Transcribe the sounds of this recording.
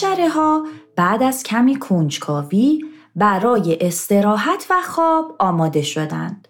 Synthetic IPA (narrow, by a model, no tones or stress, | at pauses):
æɾeɦɒːb̥æːd̪æz̥cʲʰæmiːkʰond͡ʒkʰɒːviː | bæɾɒːje̞ʔest̪e̞ɾɒːɦæt̪ʰvæxɒːb̥ɒːmɒːd̪e̞ʃo̞d̪æ̰nd̪̥